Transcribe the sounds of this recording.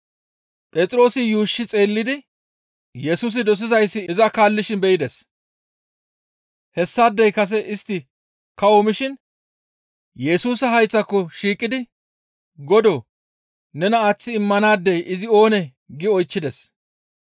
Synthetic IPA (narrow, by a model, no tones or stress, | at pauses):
pʼɛt͡sʼɾo̞ːsɪjuːʃːɪt͡sʼe̞ːlːɪd̪ɪ | jɛsuːs̬ɪd̪ɔs̬ɪzɐjsːɪɪzɐkaːlːɪʃɪnbɛjɪd̪ɛs | hɛsːaːd̪ːɛjkɐs̬ɛʔɪst̪ːɪ | kɐwomɪʃɪn | jɛsuːsɐɦɐjt͡sːɐkːɔʃiːkʼːɪd̪ɪ | ɡɔd̪ɔ | nɛnɐːt͡sːɪːmːɐnaːd̪ːɛjɪzɪo̞ːnɛ | ɡɪɔjt͡ʃːɪd̪ɛs